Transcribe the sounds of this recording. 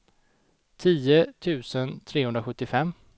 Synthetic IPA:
t̪ʰiːət̪ʰʉ̟ːsənt̪ʰɾeːhɵnd̪ɾaɧɵt̪ːɪfɛmː

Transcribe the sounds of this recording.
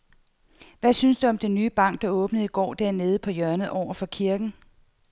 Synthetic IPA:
ʋæsynsd̥uɒ̽md̥enːyːb̥ɑ̈ŋ̰ɡ̥̚d̥ɑ̈ɔ̽ːb̥nð̩ˠiɡ̥ɒ̰ːd̥æɐ̰ne̝ːð̞̩ˠəpʰɒ̽jœɐnəð̩ˠʔɒʊ̰ɐfɒ̽kʰiɐɡ̥n̩

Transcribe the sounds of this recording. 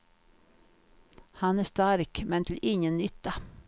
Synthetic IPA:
hɑnæːst̪aɾkmɛnt̪ʰɪlʔɪŋənːʏt̪ːɑ

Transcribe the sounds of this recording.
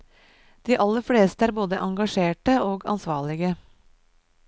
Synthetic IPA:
d̪̥iːʔɑlːəɾfleːst̪əæːɾboːd̪əʔɑŋɡɑʂeːʈəoːɡɑ̰nsʋɑːɭɪɡə

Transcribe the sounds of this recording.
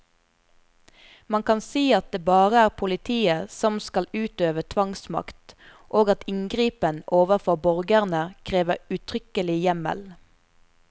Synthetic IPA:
mɑŋkʰɑnsiːɑt̪̚d̪eːbɑːʁəæːʁpʰʊlɪt̪ʰiːəsɔmskɑlʉːt̪øːʋət̪ʰʋɑŋsmɑ̰kt̪ | ʔoːɡɑt̪ɪŋɡʁiːpənoːʋəʁfɔʁbɔʁɡəʁnəkʰʁeːʋəʉt̪ʰʁʏkəlɪjɛmə̰l

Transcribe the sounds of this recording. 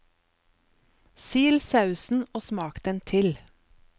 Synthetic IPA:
siːlsɑʉsn̩oːsmɑːkd̪̥ɛnt̪ʰɪl

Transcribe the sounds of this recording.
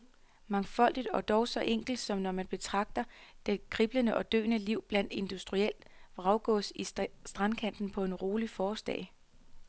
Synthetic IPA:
mɑ̈ŋfɒ̽l̰d̥id̥ɒ̽d̥ɒʊsɒ̽ʔeŋ̰ɡ̥l̩d̥sɒ̽mnɒmænb̥e̝t͡sʰʁɑ̈ɡ̥̚d̥ɐd̥ekʰʁib̥lənəʔɒ̽d̥ø̰ːnəliʊ̰b̥læn̰d̥e̝nd̥usd̥ʁiel̰d̥ʁɑ̈ʊɡ̥ɔ̰̽ːsisd̥ʁɑnkʰæn̰d̥n̩pʰɒ̽e̝nʁo̝ːlifɒːsd̥ɛ̰ɪ

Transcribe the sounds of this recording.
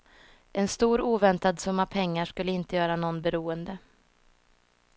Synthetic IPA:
ɛnst̪uːɾuːvɛnt̪ad̪sɵmːapʰɛŋːaʂkɵlːəɪnt̪əjœːɾanɔnːbɛɾuːənd̪ə

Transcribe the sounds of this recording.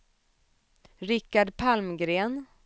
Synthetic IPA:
ɾɪkːaɖpʰalmɡɾeːn

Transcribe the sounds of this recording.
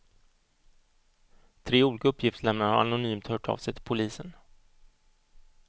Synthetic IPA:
t̪ʰɾeːuːliːkaɵpʰːjɪft̪slɛmnəɾha̰ɾa̰nʊnyːmt̪hœːʈʰɑ̰ːvsɛjt̪ʰɪ̥lpʰʊliːsən

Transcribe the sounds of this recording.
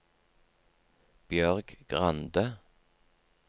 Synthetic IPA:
b̥jœʁɡɡ̥ʁɑnd̪ə

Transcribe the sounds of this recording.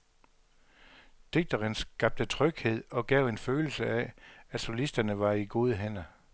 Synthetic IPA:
d̥e̝ɡ̥̚d̥ɐʁensɡ̥ɑ̈b̥̚d̥ət͡sʰʁœɡ̥he̝ð̞̰ˠɒ̽ɡ̥ɛʊ̰e̝nføːl̩səææ̥so̝lisd̥ɐnəʋɑ̈iɡ̥o̝ːð̞ˠəɦen̰ɐ

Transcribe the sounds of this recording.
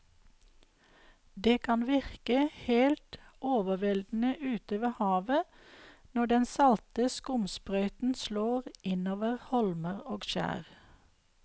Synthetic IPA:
d̪eːkʰɑnʋɪʁkəheːlt̪ʔoːʋəʋɛld̪n̩əʔʉːt̪əʋeːhɑːʋə | nɔɖɛnsɑlt̪əskʊmspʁœʏt̪n̩sloːʁʔɪnoːʋəʁhɔlməʁoːɡʃæ̰ːʁ

